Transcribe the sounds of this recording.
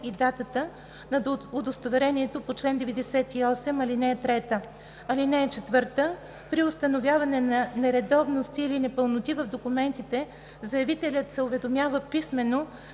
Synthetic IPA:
id̪at̪ət̪ə | nɐod̪ost̪ovɛɾɛniɛt̪opot͡ʃlɛnd̪ɛvɛd̪ɛsɛt̪iɔsɛmɐlinɛɛt̪ɾɛt̪ə | ɐlinɛɛt͡ʃɛt̪vɤɾt̪ə | pɾiost̪ɐnovjavɐnɛnɐnɛɾɛd̪ɔvnost̪iːlinɛpəlˠnot̪ivəvd̪okumɛnt̪it̪ɛ | zɐjɐvit̪ɛlʲət̪sɛʊvɛd̪omʲjavəpismɛno

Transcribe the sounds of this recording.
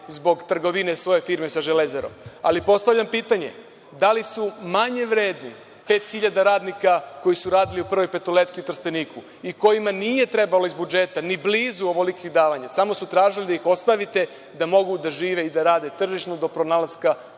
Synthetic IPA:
zbo̞ɡt̪r̩ɡo̞ʋine̞sʋo̞je̞fiːɾmesaʒelezeɾo̰ma̰lipo̞st̪aʋlʎampiːt̪aɲe̞̰ | d̪alisumaɲe̞ʋɾeːd̪nḭ | pe̞ːt̪xiʎad̪aɾaːd̪nikako̞jisuɾaːd̪iliupr̩ʋo̞jpe̞t̪ole̞t̪kiut̪r̩st̪eniːkʰu | iko̞jimanije̞t̪ɾe̞balo̞izbud͡ʒe̞t̪anibliːzuoʋolikiɣd̪aːʋaɲasamo̞sut̪ɾaːʒilid̪aixo̞st̪aʋit̪e̞ | d̪amo̞ɡud̪aʒiːʋe̞id̪aɾaːd̪e̞t̪r̩ʒiʃnod̪o̞pɾonalazka

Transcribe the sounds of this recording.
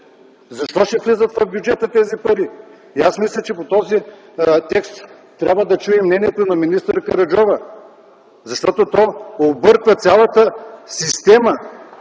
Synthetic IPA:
zɐʃt̪ɔʃɛflɛzət̪vɐvbjud͡ʒɛt̪ət̪ɛzipɐɾi | iasmislʲɛt͡ʃɛpot̪ɔzi | t̪ɛkst̪ː | ɾʲabvəd̪ɐt͡ʃuɛmnɛniɛt̪onɐminist̪əɾkɐɾɐd͡ʒɔvə | zɐʃt̪ɔt̪ot̪ɔobɤɾkvɐt̪sʲalˠɐt̪əsist̪ɛmə

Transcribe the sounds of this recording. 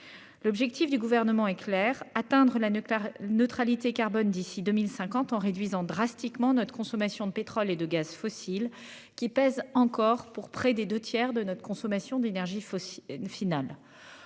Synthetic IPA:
lɔbʒɛk̚t̪ifd̪yɡuvɛʁnəmɑ̃ɛklɛʁat̪ɛ̃d̪ʁəlanøt̪χalit̪ekaʁbɔnd̪isid̪ømilsɛ̃kɑ̃t̪ɑ̃ʁed̪ɥizɑ̃d̪ʁast̪ikmɑ̃nɔt̪χəkɔ̃sɔmasjɔ̃d̪əpet̪χɔled̪əɡazfɔsil | kʲipɛzɑ̃kɔʁpuʁpχɛd̪ed̪øt̪jɛʁd̪ənɔt̪χkɔ̃sɔmasjɔ̃d̪enɛʁʒifinal

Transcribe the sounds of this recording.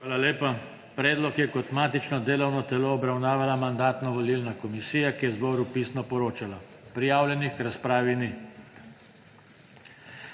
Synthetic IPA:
aːlaleːpa | pɾɛːd̪lɔkjɛkɔt̪maːt̪it͡ʃnɔd̪eːlɔwnɔt̪ɛloːbɾawnaːʋalamand̪aːt̪nɔʋɔlilnakɔmisiːjakijɛzbɔːɾupiːsnɔpɔɾoːt͡ʃala | pɾijaːwlʲjɛnixkɾaspɾaːʋini

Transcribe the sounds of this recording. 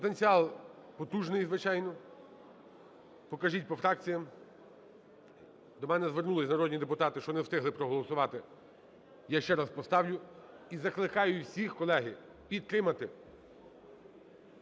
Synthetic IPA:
pɔt̪enʲt͡sʲiɑlˠ | pɔt̪uʒnɪjzʋɪt͡ʃɑjnɔ | pɔkɐʒit̚ʲpɔfɾɑk̚t͡sʲijɐm | d̪ɔmɛnɛzʋernulˠɪsʲnɐɾɔd̪ʲnʲid̪epʊt̪ɑt̪ɪʃt͡ʃɔnɛwt̪ɪɦlˠɪpɾɔɦɔlˠɔsʊʋɑt̪ɪ | jaʃt͡ʃɛɾɑspɔst̪ɑwlʲʊ | izɐklˠɪkɑjʊiwsʲixkɔlˠɛɦɪ | pʲid̪̚t̪ɾɪmɐt̪ɪ

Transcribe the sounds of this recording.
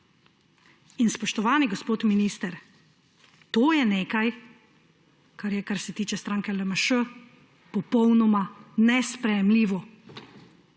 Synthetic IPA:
inspɔʃt̪ɔʋaːniɡɔspoːt̪miniːst̪ɛɾ | t̪oːjɛneːkaj | kaɾjɛkaɾsɛt̪iːt͡ʃɛst̪ɾaːŋkɛləmaʃə | pɔpɔwnɔmanɛspɾɛjɛmliːʋɔ

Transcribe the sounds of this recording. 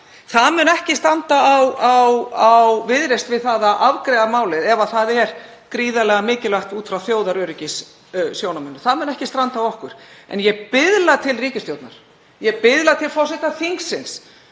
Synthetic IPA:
θaðmʏːnɛhcɪst̪ɾant̪aawawawvɪðɾest̪vɪðθaðaʔavkɾɛːðamaːwlɪðɛvaθaðɛɾ | kɾiːðalɛɣamɪːcɪlaht̪uːt̪fɾawθjoːwðaɾœːɾʏcɪs | sjownamʏnːʏθaðmʏnɛhcɪst̪ɾant̪aːwɔhkʏɾ̥ɛ̰njɛpɪðlat̪ʰɪlriːcɪst̪jowt̪na̰ɾ̥ | jɛpɪðlat̪ʰɪlfɔwsɪht̪aθiŋksːɪns

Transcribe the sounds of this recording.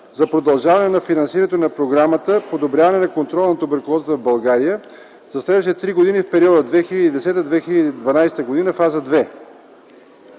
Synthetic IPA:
zɐpɾod̪ɐlˠʒavɐnɛnɐfinɐnsiɾənɛt̪onɐpɾoɡɾamət̪əpod̪obɾʲjavɐnɛnɐkont̪ɾɔlˠnɐt̪obɛɾkolˠɔzət̪əvbɐlˠɡaɾijə | z̥ɐslɛd̪uʃ̬tit̪ɛt̪ɾiɡod̪inifpɛɾiɔd̪əd̪vɛxilʲəd̪iːd̪ɛsɛt̪əd̪vɛxilʲəd̪iːd̪vɐnajst̪əɡod̪inəfazəd̪vɛ

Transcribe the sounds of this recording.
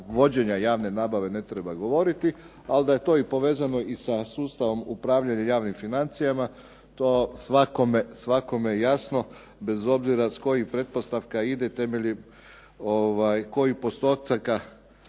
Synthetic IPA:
ʋo̞d͡ʑe̞ɲajaːʋne̞naːbaʋe̞ne̞t̪ɾe̞baɡo̞ʋo̞ɾit̪i | ald̪aje̞t̪o̞ːipo̞ʋe̞ːzano̞isasuːst̪aʋo̞mupɾaːʋʎaɲajaːʋnimfinant̪sijama | t̪osʋako̞mesʋako̞mejejasno̞ | be̞zo̞bziɾasko̞jipɾe̞dt̪̚po̞st̪aʋkaid̪et̪e̞me̞ʎi | oʋajko̞jipo̞st̪o̞t̪aka

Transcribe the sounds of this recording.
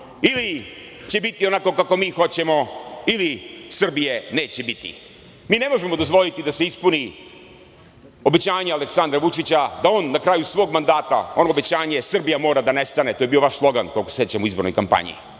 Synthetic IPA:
ili | t͡ɕe̞bit̪io̞nako̞kako̞miːxo̞t͡ɕe̞mo̞ilisr̩bije̞ne̞ːt͡ɕe̞bit̪ḭ | miːne̞mo̞ʒemo̞d̪ozʋo̞lit̪id̪ase̞ispuni | o̞be̞t͡ɕaːɲealeksand̪ɾaʋut͡ʂit͡ɕad̪aoːnːakɾaːjusʋo̞ːɡmand̪aːt̪a̰onoːbe̞t͡ɕaːɲe̞sr̩bijamo̞ːɾad̪anest̪ane̞t̪oːjeio̞ʋaʃslˠo̞ɡankolˠkoseet͡ɕamuizbo̞ɾnojkampa̰ɲḭ

